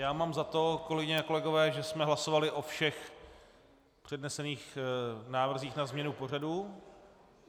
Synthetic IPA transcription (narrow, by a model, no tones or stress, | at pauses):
jaːmaːmzat̪o̞ko̞lɛɡɪɲɛako̞lɛɡo̞vɛːʒɛsmɛɦlaso̞valɪʔo̞fʃɛx | pr̥ɛdnɛsɛniːxnaːvr̩ziːxnazmɲɛnupo̞r̝aduː